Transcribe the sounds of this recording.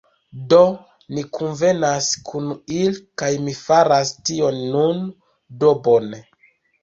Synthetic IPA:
do̞ | mikʰunve̞naskʰunilkajmifaɾastio̞nːun | do̞bone

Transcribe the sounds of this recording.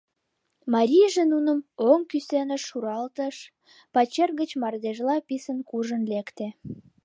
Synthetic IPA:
mɑɾʲijʒenunəmoŋkysenəʃːuɾɑlt̪əʃ | pɑt͡ɕerɣət͡ɕmɑrd̪eʒlɑpisənkuʒənlekt̪e

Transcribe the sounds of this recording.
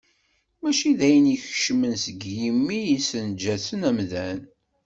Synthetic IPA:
mæʃiðæjəniçʃmənsəɡjimːijisənd͡ʒæθənæmðæn

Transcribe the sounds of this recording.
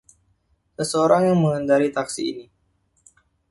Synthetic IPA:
səsəoɾaŋjaŋməŋəndaɾit̪aksḭːni

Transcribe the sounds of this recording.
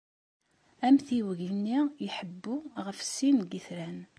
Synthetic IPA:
æmθiwəʝnːijħəbːuʁəfsinɡiθɾæn

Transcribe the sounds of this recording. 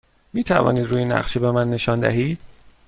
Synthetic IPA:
miːt̪ʰævɒ̰ːniːd̪ɾuːjenæ̰ʁʃebemænːe̞ʃɒːnd̪æ̰ɦiːd̪̥

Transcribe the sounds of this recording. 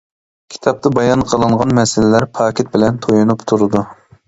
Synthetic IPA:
kʲʰi̥t̪ʰɑp̚t̪ɑbɑjɑnqʰəlˠɨɴʁɑnmɛsɪlɪlæɾpʰɑːkʲʰɪt̪̚bɪlɛnt̪ʰojunupt̪ʰuɾɨd̪u

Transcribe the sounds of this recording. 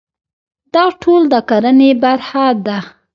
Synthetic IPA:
d̪ɑʈʰold̪əkaɾənebaɾhad̪a

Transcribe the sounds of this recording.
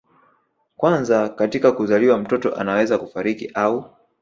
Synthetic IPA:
kwanzakatikakuzaliwam̩tɔtɔ̰ʔa̰nawɛzakufaɾikiʔau

